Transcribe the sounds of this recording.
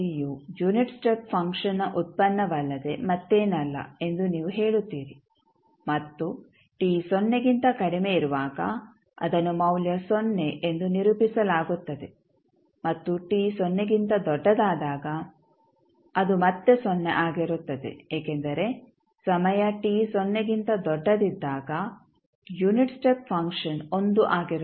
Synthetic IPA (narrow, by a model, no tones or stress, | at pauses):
ijud͡ʒuniʈsʈepfʰɐŋkʂɐnɐʔut̪̚pɐnːɐʋɐlːɐd̪e̞mɐt̪ːeːnɐlːɐ̰e̞nd̪uniːʋuɦe̞ːɭut̪ːiːɾi | mɐt̪ːu | ʈiːsonːe̞ɡint̪ɐkɐɽime̞iɾuʋaːɡɐ̰ | ɐ̰d̪ɐnːumɐwljɐsonːe̞ʔend̪uniɾupisɐlaːɡut̪ːɐd̪e̞ | mɐt̪ːuʈiːsɔnːeɡint̪ɐd̪ɔɖːɐd̪aːd̪aːɡɐ | ɐd̪umɐt̪ːe̞sonːeʔaːɡiɾut̪ːɐd̪ḛeːkend̪ɐɾe̞ | sɐmɐjɐʈiːsɔnːeɡint̪ɐd̪ɔɖːɐd̪id̪ːaːɡɐ | juniʈsʈep̚fʰɐŋkʂɐnond̪uʔaːɡiɾu